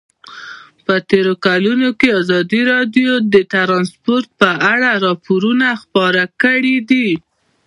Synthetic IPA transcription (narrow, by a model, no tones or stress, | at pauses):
pət̪eɾokalunokeɑzɑd̪iɾɑɖjod̪ət̪aɾɑnspoɾt̪̚pəʔaɽaɾɑpoɾunaxpɑɾakəɽid̪i